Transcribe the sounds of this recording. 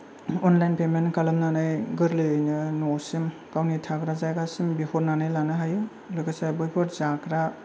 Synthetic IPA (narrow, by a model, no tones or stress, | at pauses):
ɔnlajnpemenkalɯmnanɯjɡɯɾlɯjɯjnɯnosim | kawnitʰakɾazajɡasimbihɔɾnanɯjlanɯɦajɯ | lɯkasabɯjpʰɯɾzakɾa